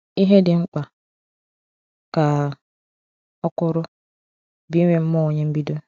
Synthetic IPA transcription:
i˦ɦe˦dɪ˨ŋ͡m̩˦k͡pa˨ | ka˨ | ɔ˦kʊ˦ɾʊ˦ | bi˦ɲʷe˦m̩˦mɔ˦o˨ɲe˦m̩˦bi˦do˦

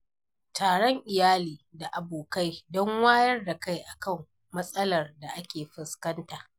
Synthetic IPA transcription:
taː˨ɽɔ˦ŋʔɪ˨jaː˦liː˨da˨ʔa˨boː˨ka˦jdɔ˦ŋwaː˦jɐ˦rda˨ka˦jʔa˨kɐ˦˨mː | ɐ˦sʼɐ˦lɐ˨rda˨ʔa˦kʲeː˨ɸɪ˦skɐ˦ntaː˨ʔ

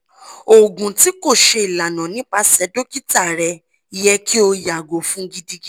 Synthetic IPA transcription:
o˨ɡũ˨ti˨˦ko˦˨ʃe˧i˨la˨nɔ̃˨nĩ˦k͡pa˧sɛ˨˦do˦ki˦ta˦˨ɾɛ˧ | i˨˧jɛ˧ki˦o˧ja˨ɡo˨fũ˦ɡi˧di˧ɡi˦

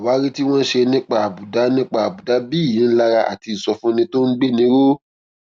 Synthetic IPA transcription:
wa˨˦ɾi˦ti˦w̃ɔ̃˦n̩˦ʃe˧nĩ˦k͡pa˦a˨bu˨da˨˦nĩ˦k͡pa˦a˨bu˨da˨˦bi˦˨jĩ˨˦n̩˦la˦˧ɾa˧ʔa̰˨ti˧i˨sɔ˧fũ˦nĩ˧to˦n̩˦ɡ͡be˦nĩ˨˦ɾo˦

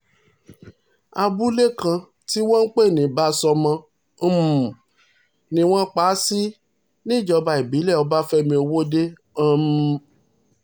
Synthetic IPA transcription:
a˧bu˦le˦kã˧ | ti˦wɔ̃˦n̩˦k͡pe˦˨nĩ˨˦˨ba˨˦sɔ˧mã˧˦ | m˨ | nĩ˦w̃ɔ̃˦k͡paː˨˦si˦ | nĩ˦˨d͡ʒɔ˧ba˧˨i˨bi˨˦lɛ˦˨ɔ˧ba˦fɛ˦mĩ˧o˧wo˦de˦ | m

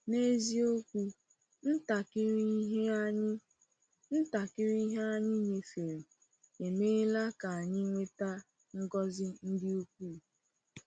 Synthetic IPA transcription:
ne˦zi˦o˦kʷu˦ | n̩˦ta˨kɪ˦ɾi˦ɦe˦a˦ɲɪ˦ | n̩˦ta˨kɪ˦ɾi˦ɦe˦a˦ɲɪ˦ɲe˨fe˨ɾi˨ | e˨me˦la˦ka˨a˨ɲɪ˦ŋʷe˦ta˦ | ŋ̩˦ɡɔ˦zɪ˦n̩˦dɪ˦u˦k̚ʷuː˦˨

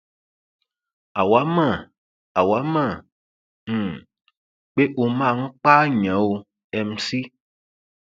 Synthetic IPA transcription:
a˨wa˨˦mã˦˨ | a˨wa˨˦mã˦˨ | m̩˦˨ | k͡pe˦ʔo˧mã˦˨ŋ̩˦k͡pa˦ɲã˨˦wo˧ | ɛ˨m̩˦si˦

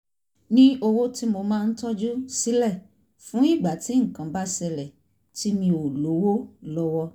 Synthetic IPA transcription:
nĩ˦o˧wo˦ti˦mo˧mãː˦˧n̩˦tɔ˦d͡ʒu˦si˨˦lɛ˦˨ | fũ˨˦i˦˨ɡ͡ba˨ti˨˦ŋ̩˦˨kã˨ba˦sɛ˧lɛ˨ | ti˦mĩ˧o˨lo˨˦wo˦lɔ˦wɔ˦

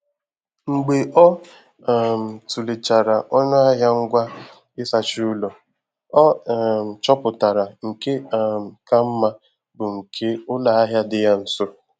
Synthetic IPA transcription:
ŋ͡m̩˨ɡ͡be˨ʔɔ˦˨ | m̩˨tu˨le˨t͡ʃa˨ɾa˨ʔɔ˦nʊ˦a˦ɦa˦ŋ̩˦ɡʷa˦ | ɪ˦sa˨t͡ʃu˦u˦lo˨ | ɔ˦˨ | t͡ʃɔ˦pʊ˨ta˨ɾa˨ŋ̩˨ke˦˨ka˦m̩˦ma˦ | bʊ˨ŋ̩˨kʰe˦ʊ˦la˨a˦ɦja˦dɪ˦ja˦n̩˨so˦

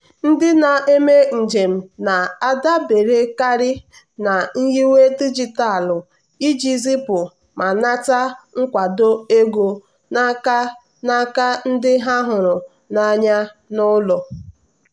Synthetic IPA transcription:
n̩˦dɪ˦na˨e˦me˦n̩˨d͡ʒe˨m̩˨na˨a˦da˦be˨ɾe˦ka˦ɾɪ˦ | na˨n̩˦ji˦we˦ti˦d͡ʒi˨ta˦a˨lʊ˨ | i˦d͡ʒi˦zi˦pʊ˨ | ma˨na˦ta˦ŋ̩˦kʷa˨do˦e˦ɡo˨ | na˦ka˦ | na˦ka˦n̩˦dɪ˦ɦa˦ɦʊ˨ɾʊ˨ | na˦ɲa˦nʊ˦lɔ˨

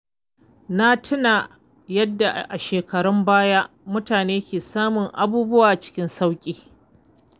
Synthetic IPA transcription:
na˦tʰɪ˦na˨ | jɐ˦dːa˨ʔʔa˨ʃeː˨kɐ˨ɽɔ˦mbaː˦ja˦ | mʊ˦taː˨neː˦kʲeː˨saː˦mʊ˨ŋʔa˦buː˦bʊ˦waː˨ʔt͡ʃɪ̥˦kʲɪ˦nsa˦wkʲʼiː˨

